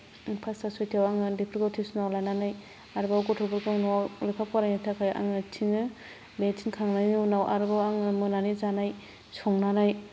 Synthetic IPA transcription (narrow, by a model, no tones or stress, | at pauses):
pʰastasɔjtʰawaŋɯdepʰɾikotʰisunawlajnanaj | aɾbawɡɔtʰɔbɔɾkʰɔŋnuawlipʰap̚kaɾajnatʰakʰaja̰ŋɯtʰiŋɯ | bentʰinkʰaŋnajniunawʔa̰ɾbawaŋɯmɯnanizanaj | sɔŋnanaj